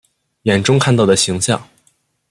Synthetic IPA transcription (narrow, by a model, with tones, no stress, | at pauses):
jɛ˨˩nʈ͡ʂʊ˥ŋkʰa˥˧nt̪ɑ˥˩ʊd̪ə˩ɕi˧˥ŋɕjɑ̰˥˩ŋ